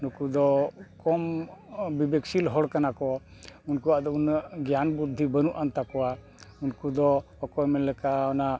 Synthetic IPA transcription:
nukud̪ɔkɔmbibeksilɦɔɽkanakɔunkuwaʔd̪ɔunaʔɡjanbud̪ʱːibənuʔant̪akɔwa | unkud̪ɔ | ɔkɔjmɛlɛkaɔna

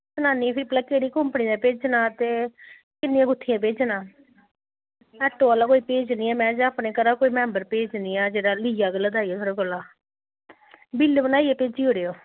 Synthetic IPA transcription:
sənaːnĩːpʰɪɾpləkeːɽiːkʊmpniːãːpeːd͡ʒnãːt̪eː | kɪnːɪjãːɡʊt̪ʰːɪjãːp̬eːd͡ʒnãː | ɛʈoːaːlaːkoːiːpeːd͡ʒniːɛːmɛ̃ːd͡ʒaːpneːkəɾaːkoːiːmɛ̃ːmbəɾpeːd͡ʒniːaːd͡ʒeːɽaːliːjaːɡəlːaːd̪aːijaːsʰəːɾoːkəlːaː | bilːbənaːiɛːpeːd͡ʒiːoːɽeːoː

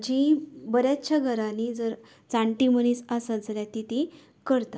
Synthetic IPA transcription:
d͡ʑibəɾjat͡ɕʰaɡʱəɾanid͡zəɾ | t͡saɳʈiməniːsasad͡zaljat̪it̪i | kəɾt̪a

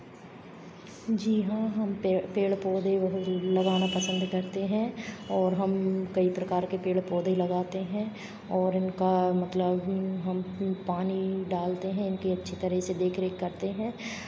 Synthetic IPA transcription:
d͡ʒiɦãɦɐmpeːɭpɔːd̪eʋɐɦʊt̪lɐɡaːnapɐsə̃nd̪kɐɾt̪eɦɛ̃ɔːɾɦɐmkɐipɾɐkaːɾkepeːɭpɔːd̪elɐɡaːt̪eɦɛ̃ | ɔːɾɪnkamɐt̪ləbɦɐmpaːniɖaːlt̪eɦɛ̃ɪnkiɐtːʃʰit̪ɐɾɛɦsed̪eːkʰɾeːkːɐɾt̪eɦɛ̃ː

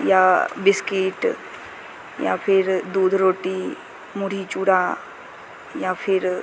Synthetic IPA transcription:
jabɪskiʈ | ja̰pʰɪɾd̪uːd̪ʱɾoːʈi | muɽ̤it͡ʃuːɽa | japʰɪɾ

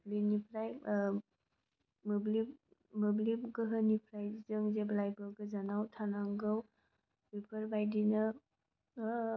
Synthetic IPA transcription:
binipʰɾaj | mubli | mublibɡɯɦɯnipʰɾajzɯŋzeblajbɯɡɯzanawtʰanaŋɡɯw | bipʰɯɾbajdina

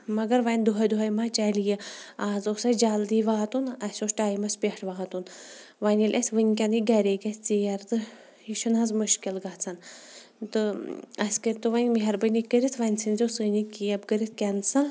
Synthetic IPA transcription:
mɐɡɐɾʋɐnʲd̪uɦɐjd̪uɦɐjmaːt͡ʃalijiaːzoːsɐd͡ʒaːld̪iːʋaːt̪unɐsʲosʈaːjmɐspʲiʈʰʋaːt̪un | ʋɐnʲilʲʔɐsʲʋɨnʲkʲɐniɡɐɾʲeːkʲɐsʲt͡sijɐɾt̪ɨ | iʃunazmuʃkilɡat͡sʰɐn | t̪ɨɐsʲkəɾʲt̪ɨʋɐnʲmiɦɐɾbənikːəɾit̪ʰʋɐnʲsʰɨnʲzʲoːsɨnikijɐbkəɾit̪̚ʰkʲɐnsa

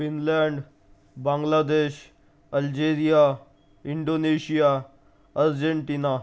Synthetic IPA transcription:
finlaɳɖ | bãŋɡlad̪eɕ | əld͡ʑeɾija | iɳɖoneɕija | əɾd͡ʑeɳʈina

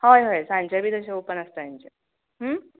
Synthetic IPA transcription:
hojɦojsãɲt͡ɕabʱiːd̪əɕeopənəst̪əjãɲt͡ɕe | ɦə

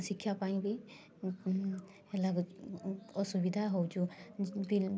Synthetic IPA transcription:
sikʰːjapaj̃bi | ɛlaɡɔ | ɔsubid̪ʱaɦowd͡ʒubi

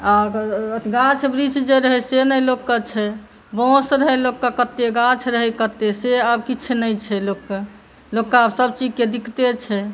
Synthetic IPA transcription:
a | ɡãt͡ʃʰbɾit͡ʃd͡ʒeɾəɦɛsenəjlokːət͡ʃʰɛ | bɔ̃sɾəɦelokːakət̪ːeɡãt͡ʃʰɾəɦɛkət̪eseəbkit͡ʃʰenəjt͡ʃʰɛlokːa | lokːaəbsəbt͡ʃid͡ʒked̪ikt̪et͡ʃʰɛ

